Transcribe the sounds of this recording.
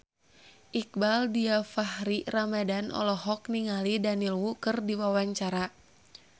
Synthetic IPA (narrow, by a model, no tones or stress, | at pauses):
ʔik̚baldiafahɾiramadanʔɔ̰lɔɦɔk̚niŋalidanilwukɨrdiwawaɲt͡ʃaɾa